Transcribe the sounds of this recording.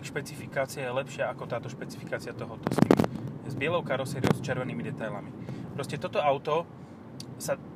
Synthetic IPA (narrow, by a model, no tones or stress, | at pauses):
ʃpɛt͡sifikaːt͡siajɛlɛpʃɪaakɔt̪aːt̪ɔʃpɛt͡si̥fikaːt͡siat̪ɔɦɔt̪ɔ̰sḭmzbɪɛlɔʊkaɾɔsɛːɾiɔʊst͡ʃɛɾʋɛniːmid̪ɛt̪ajla̰mipɾɔscɛt̪ɔt̪ɔaʊt̪ɔ | sa